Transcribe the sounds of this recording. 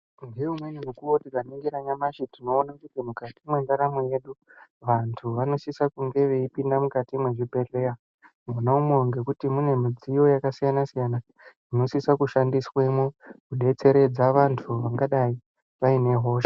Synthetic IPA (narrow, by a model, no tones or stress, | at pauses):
nɡe̞umweɲumukuwotikaniŋɡiɾaɲamaʃitino̞ːnakutimukatimwe̞ndaɾamuje̞ɗuʋantʰuʋano̞sisakuŋɡe̞ʋe̞ipindamukatimwe̞ʐibʱe̞ɮe̞a | monaumeŋɡe̞kutimune̞mid͡zijo̞jakasijanasijana | ino̞sisakuʃandiswemokuɗe̞t͡se̞ɾe̞d͡zaʋantʰuʋaŋɡaɗai | ʋaine̞ɦo̞ːʃa